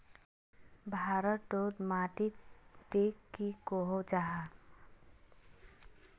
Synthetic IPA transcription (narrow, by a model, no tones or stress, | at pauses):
bʱaːɾəɖod̪maʈid̪ekːikoɦod͡ʒaɦa